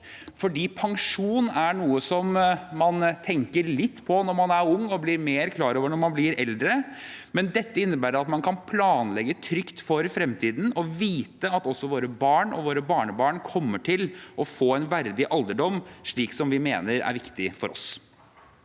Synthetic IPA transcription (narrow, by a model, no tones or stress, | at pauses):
fɔɖiːpʰɑŋʂuːnæɳuːəsɔmmɑnt̪ʰɛŋkəɾlɪt̪ːpʰɔnɔɾmɑnæɾʊŋːɔblɪɾmeːɾkʰlɑːɾoːʋəɳɔɾmɑnblɪɾɛld̪ɾəmɛnd̪ɛt̪ːəɪnːəbæːɾəɾɑt̪mɑnkʰɑnpʰlɑːnlɛɡət̪ʰɾʏkt̪fɔɾfɾɛmt̪ʰiːd̪n̩ɔʋiːt̪əɑt̪ɔsːɔʋoːɾəbɑːɳɔ̰ʋoːɾəbɑːɳəbɑːɳkʰɔmːəʈʰɪlʔɔfoːɛɪnʋæɾd̪ɪʔɑld̪əɖɔmːʂɭiːksɔmʋɪmeːnəɾæ̰ɾʋɪkt̪ɪfɔɾʔɔ̰s